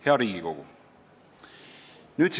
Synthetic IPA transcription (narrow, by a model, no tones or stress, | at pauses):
heɑɾiːɡ̥iko̞ɡ̥ṵ | nyːt̪s